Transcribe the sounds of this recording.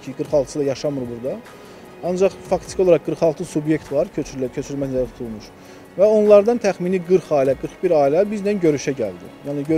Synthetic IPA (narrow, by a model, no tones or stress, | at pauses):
iɡɯɾχɑlˠt̪ʰɯ̥sɯd̪ɑjɑʃɑmɯɾbuɾd̪ɑ | ɑnd͡ʒɑχfɑkt̪ʰi̥io̞lˠɑɾɑqɡɯɾχɑlˠt̪ʰɯsubje̞ct̪vɑɾʰøcʰø̞t͡ʃʰyɾylmæsnlææt̪ʰu̥t̪ʰulˠmuʃ | væo̞nlˠɑɾd̪ɑnt̪ʰæxminiɡɯɾχɑːilæɡɯɾχbiɾɑːilæbizd̪ænɟø̞ɾyʃæɟæ̰ld̪ḭjɑːniø